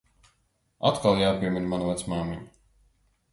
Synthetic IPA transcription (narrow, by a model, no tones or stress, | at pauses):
at̪kalˠjaːpʲiɛmʲinmanvat̪smaːmʲiɲ